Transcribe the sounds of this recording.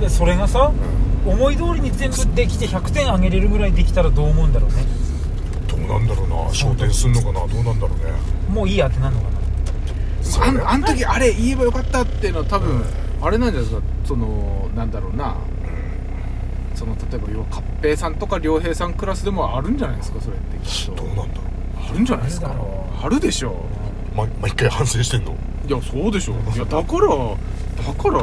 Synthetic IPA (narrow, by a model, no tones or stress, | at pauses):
d̪eso̞ɾe̞ɡasaomo̞id̪o̞ːɾʲiɲ̟izẽ̞mbɯ̟d̪e̞kʲi̥t̪e̞çakɯ̟̥t̪ẽ̞ɰ̃aɡe̞ɾe̞ɾɯ̟ɡɯ̟ɾaid̪e̞kʲi̥t̪aɾad̪o̞ːmo̞ɯ̃nd̪aɾo̞̰ːne̞ | d̪̥o̰ːnã̰nd̪aɾo̞ːna̰ɕoːt̪ẽɰ̃sɨɾɯno̞kanad̪o̞ːnãnd̪aɾo̰ːnḛ | mo̞ːiːat̪e̞nãnːo̞kana | ananot̪o̞kʲiaɾe̞iebajo̞kat̪ːat̪ːe̞jɯ̟noat̪abɯ̟̃ɴaɾe̞nãɲd͡ʑanakaso̞no̞nãnd̪aɾo̞ːna̰ | so̞no̞t̪at̪o̞e̞bajoβakʰapːe̞ːsãnt̪o̞kaɾʲo̞ːɦe̞ːsãŋkɯ̟ɾasɨd̪e̞mo̞aɾɯ̟̃ɲ̟d͡ʑanaid̪sɨ̥kaso̞ɾe̞t̪ːekʲi̥t̪ːod̪oːnãnd̪aɾo | aɾɯ̟̃ɲ̟d͡ʑanaisɨ̥ka | aɾɯ̟d̪e̞ɕo̞ː | mamaikːaihãsẽɕi̥t̪ẽnːo̞̰ | jaso̞ːd̪e̞ɕo̞̰jad̪akaɾa | d̪̥akaɾa